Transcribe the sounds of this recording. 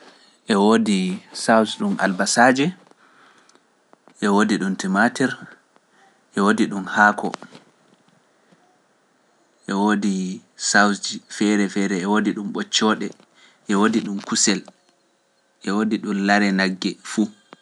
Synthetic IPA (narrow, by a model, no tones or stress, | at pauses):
ʔɛwodisawsɗumʔa̰lbasaːd͡ʒɛ | ʔɛwodiɗuntimatɛɾ | ʔɛwodiɗumhaːkʰɔ̰ | ʔɛwoːdisawsd͡ʒifɛɾɛfɛɾɛːwodiɗumɓɔt͡ʃːɔːɗɛ | ʔɛwodiɗumkusɛl | ʔɛwodiɗumlaɾɛnaɡːɛfu